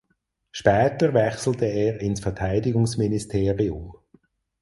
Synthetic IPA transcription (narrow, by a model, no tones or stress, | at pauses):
ʃpɛːtəʁvɛxsl̩təɛːʁɪnsfɛɐtʰaɪdɪɡʊŋsministʰeːʁiʊm